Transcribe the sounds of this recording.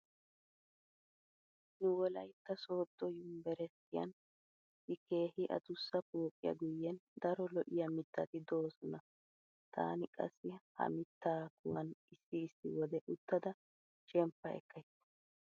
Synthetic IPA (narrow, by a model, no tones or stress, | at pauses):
nʊwɔlɐjt̪ːɐso̞ːt̪ːɔjʊmbɛɾɛt̪ːɪjɐ̰n | ɪke̞ːhɪʔɐ̰t̪ʊsːɐpoːkʼːɪjɐ̰ɡʊjːɛnd̪ɐɾɔlɔʔɪjɐmɪt̪ːɐt̪ɪd̪o̞ːsɔnɐ | t̪ʰa̰ːnɪkʼɐ̰sːɪhɐ̰mɪt̪ːaːkʊwɐnɪsːɪːsːɪwɔd̪ɛʔʊt̪ːɐd̪ɐ | ʃɛmpːɐɛ̰kːɐjt̪ː